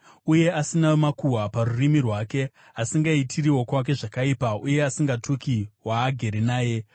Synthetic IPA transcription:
uje̞asinamakuwaparurimirwaːke̞ | asiŋɡaitʰiriwo̞kwak̬e̞ʐakaipauje̞asiŋɡatukiwaːɡʱe̞ɾenaːje̞

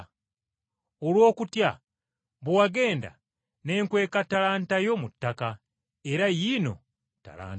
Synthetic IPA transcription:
o̞lwo̞ːkutja | βuwaɡe̞ːnda̰ | ne̞ːŋkwe̞ːkatalaːntajo̞mutːaka | e̞ɾajiːno̞̰ | ta̰la̰ːn

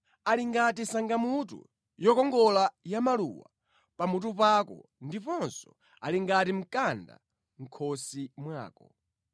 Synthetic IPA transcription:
aliŋɡatisaŋɡamutṵ | jɔkɔŋɡɔlajamalṵwa̰ | pamut̬upakɔ̰ndipɔnsɔ̥ | aliŋɡatim̩kanda̰ | ŋ̩kʰɔsimwa̰ːkɔ

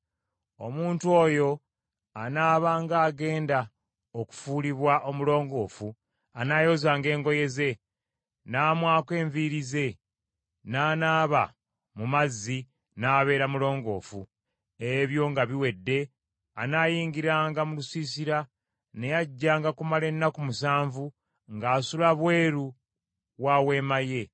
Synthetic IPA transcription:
o̞̰muːntuo̞ːjo̞ | anaːβaːŋɡaːɡe̞ːnda | oku̥fuːliβwaʔo̞mulo̞ːŋɡo̞ːfu | anaːjo̞zaːŋɡe̞ːŋɡo̞je̞ze̞ | naːmwaːke̞ːɱviɾize̞ | naːnaːβa | mumazːi | naːβe̞ːɾamulo̞ːŋɡo̞̰ːfu | eβjo̞ŋɡaβiwe̞dːe̞ | anaːjiːŋɡiɾaːŋɡamulusiːsiɾa | ne̞jaɟːaːŋɡakumale̞nːakumusaːɱvu | ŋɡaːsulaβwe̞ːɾu | waːwe̞ːmaje̞

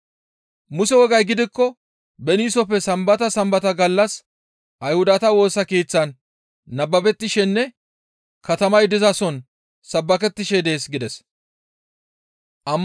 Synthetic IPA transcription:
mʊsɛwɔɡɐjɡɪd̪ɪkːɔ | bɛniːsɔpːɛsɐmbɐt̪ɐsɐmbɐt̪ɐɡɐlːɐs | ʔɐjhʊd̪ɐt̪ɐwo̞ːsɐkeːt͡sːɐnː | ɐbːɐbɛt̪ːɪʃɛnːɛ | kɐt̪ɐmɐjd̪ɪzɐsɔn | sɐbːɐkɛt̪ːɪʃɛd̪e̞ːsɡɪd̪ɛs | ʔɐmː

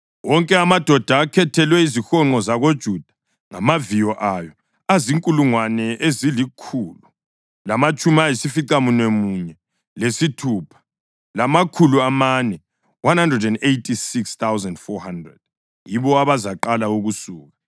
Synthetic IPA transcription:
wɔŋkʼɛamad̥ʱɔd̥ʱaːkʰɛtʰɛlwɛizixɔŋ͡ǃɔzaɣod̥ʒ̥ʱud̥ʱḁ | ŋa̰mavijɔʔajɔ | aziŋkʼuluŋwanɛʔezilikʰuːlu | lamat͡ʃʼumiajisifiǀamunemuɲɛ | lesitʰuːpʰḁ | lamakʰuluamanɛ | wanhandrɛdɛndejtʰʼisikst̪awzɛndfɔhandrɛ̰d̥̚ | jiβɔaβazaǃalauɣusuːɣa

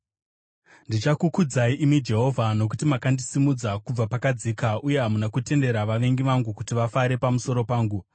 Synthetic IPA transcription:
ndit͡ʃakukud͡zaiʔimwid͡ʒe̞ɦo̞vʱano̞k̬utimakandisimud͡zakub͡vapakad͡zikaʔuje̞ɦamunakute̞nde̞ɾaʋaʋe̞ŋɡiʋaŋɡukutiʋafaɾe̞pamuso̞ɾo̞paːŋɡu

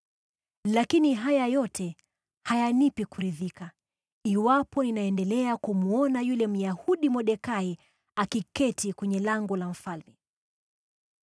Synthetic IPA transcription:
lakiniɦajajɔtʰɛ | hajanipikuɾiðika | iwapɔninaɛndɛlɛakumuɔnajulɛm̩jahuɗimɔɗɛkai | akikɛtʰikwɛɲɛlaŋɡɔlam̩falmi

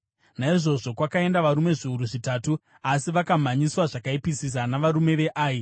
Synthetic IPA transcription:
naiʐo̞ʐo̞kwakae̞ndaʋaɾume̞ʐiuɾuʐitaːtu | asiʋakamaɲiswaʐakaipisis̬anaʋaɾume̞ʋe̞ʔaːji

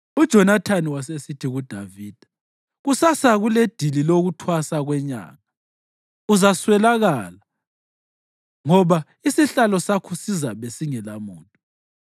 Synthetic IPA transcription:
ud̥ʒ̥ʱɔnatʰaniwas̬esitʰiɣud̥ʱaviːd̥ʱḁ | ɣusasaɣuled̥ʱililoɣutʰwasaɣwɛɲa̰ːɣa | uzaswɛlaɣaːla | ŋɔβa | isiɬalɔsakʰusizaβesiŋɛlamuːntʼu

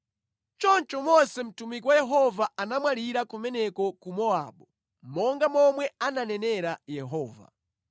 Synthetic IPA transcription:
t͡ʃɔnt͡ʃɔmɔsɛm̩tumikiwajɛɦɔvaanamwaliɾakumɛnɛkɔkumɔa̰ɓɔ | mɔŋɡamɔmwɛananɛnɛɾajɛɦɔːva̰

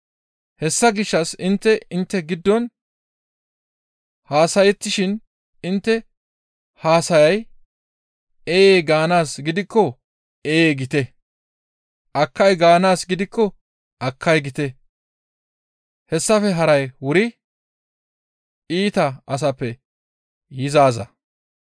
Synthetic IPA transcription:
hɛsːɐɡɪʃːɐsɪnt̪ːɛɪnt̪ːɛɡɪd̪ːɔn | haːsɐjɛt̪ːɪʃɪn | ɪnt̪ːɛ | haːsɐjɐj | eːeːɡaːnaːsɡɪd̪ɪkːɔ | eːeːɡɪt̪ɛ | ʔɐkːɐjɡaːnaːsɡɪd̪ɪkːɔ | ʔɐkːɐjɡɪt̪ɛ | hɛsːɐfɛɦɐɾɐjwʊɾɪ | iːt̪ɐʔɐs̬ɐpːɛ | jɪzaːzɐ

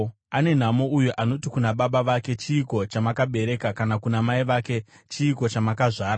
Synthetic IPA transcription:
ane̞n̤amo̞ujuʔano̞tikunaɓaɓaʋake̞t͡ʃiːko̞t͡ʃamakaɓe̞ɾe̞kakanakunamaiʋake̞ | t͡ʃiːko̞t͡ʃamakaʐaːɾa

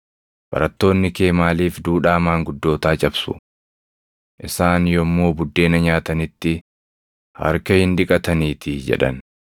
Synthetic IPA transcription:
b̥ɐ̰ɾɐt̪ːo̞ːnːɪke̞ːmaːliːfd̪uːᶑaːmaːŋɡʊd̪ːo̞ːt̪aːt͡ʃʼɐbsʊ̰ | ʔɪsaːnjɔmːo̞ːbʊd̪ːe̞ːnɐɲaːt̪ɐnɪt̪ːɪ | hɐ̰ɾkɐhɪnᶑ̪ɪkʼɐt̪ɐniːt̪ɪd͡ʒɛ̰ᶑɐ̰n

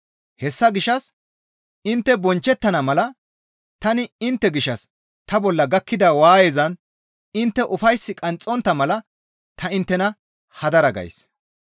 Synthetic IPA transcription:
hɛsːɐɡɪʃɐs | ɪnt̪ːɛbɔnt͡ʃːɛt̪ːɐnɐmɐlɐ | t̪ɐnɪɪnt̪ːɛɡɪʃɐs | t̪ɐbɔlːɐɡɐkːɪd̪ɐwaːjeːzɐn | ɪnt̪ːɛʔʊfɐjsːɪkʼɐnt͡sʼːɔnt̪ːɐmɐlɐ | t̪ʰɐɪnt̪ːɛnɐ | hɐd̪ɐɾɐɡɐ̰js

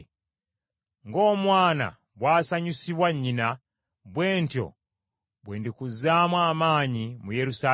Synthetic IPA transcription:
ŋɡo̞ːmwaːna̰ | bwaːsaɲusiβwaɲːina | bweːntjo̰ | bweːndikuzamwaːmaːɲimujeɾusa

